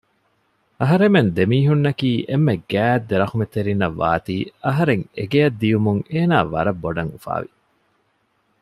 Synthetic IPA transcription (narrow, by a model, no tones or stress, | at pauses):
ɐɦɐɾemend̪emiːɦunːɐkiːʔemːeɡæːd̪ːeɾɐχumet̪eɾinːɐʋːa̰ːt̪iːɐɦɐɾeŋḛɡejɐd̪ːijumuŋeːnaːʋɐ̰ɾɐbːoɖɐŋufa̰ːʋi